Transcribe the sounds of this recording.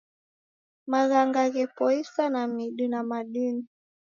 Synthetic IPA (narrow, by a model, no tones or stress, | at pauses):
maɣaŋɡaɣɛpɔisanamiɗunamaɗuni